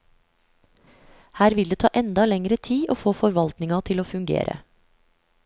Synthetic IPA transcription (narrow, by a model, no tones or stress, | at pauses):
hæːɾʋɪld̪eːt̪ʰɑːʔɛnd̪ɑlɛŋɾət̪ʰiːʔoːfoːfɔɾʋɑlt̪nɪŋɑt̪ʰɪloːfʉŋɡḛːɾʔə̰